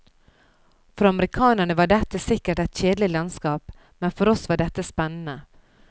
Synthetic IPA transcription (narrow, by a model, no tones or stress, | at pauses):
fɾɑməɾɪkʰɑːnəɳəʋɑɖɛt̪ːəsɪkːəʈɛɪt̪ɕeːd̪lɪlɑnskɑːp | mɛnfɔɾɔsʋɑɖɛt̪ːəspɛnːənə